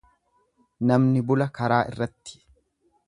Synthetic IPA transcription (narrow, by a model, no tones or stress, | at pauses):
nɐmnɪbʊlɐkɐɾaːʔɪ̰rːɐt̪ːɪ̥